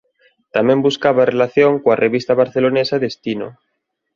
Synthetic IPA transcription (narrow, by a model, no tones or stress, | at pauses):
t̪amẽmbuskaβarelaθjoŋkwarʔeβist̪aβaɾθelonesaðest̪ino̰